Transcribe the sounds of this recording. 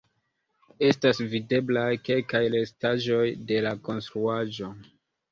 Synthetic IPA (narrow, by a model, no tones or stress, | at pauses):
e̞stasvide̞blajke̞lkajlestaʒo̞jde̞lako̞nstɾuaʒo̞